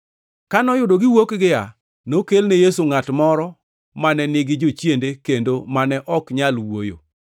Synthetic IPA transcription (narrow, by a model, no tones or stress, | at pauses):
kanɔjʊdoɡɪwokɡɪja | nokelnejesuŋatmɔɾɔ | manɛnɪɡɪd͡ʒot͡ʃjendekendomanɛʔɔkɲalwo̰jo̰